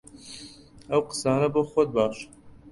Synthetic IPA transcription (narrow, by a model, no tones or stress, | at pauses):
ɐwqə̥sɑːnɐboːxʷɔd̪̚bɑːʃ